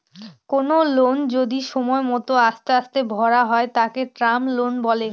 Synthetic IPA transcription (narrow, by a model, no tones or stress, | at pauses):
konolond͡ʑod̪iʃɔmɔemɔt̪oast̪east̪ebʱɔɾaɦɔet̪akeʈɾamlonbɔle